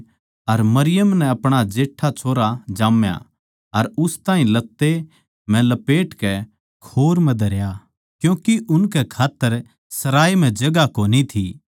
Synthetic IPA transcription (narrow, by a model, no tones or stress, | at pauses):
ɐɾmɐɾɪjəmnɛ̃ɐpɽ̃ad͡ʒeːʈʰːat͡ʃʰoːɾad͡ʒaːmja̰ | ɐɾʊst̪aːĩlɐt̪ːe | mɛ̃lɐpeːʈkɛ | kʰoːɾmɛ̃d̪ʱɐɾja | kjũːkiʔʊnkɛkʰaːt̪ːəɾ | sɐɾaːim̤ɛ̃d͡ʒɐɡakoːnit̪ʰiː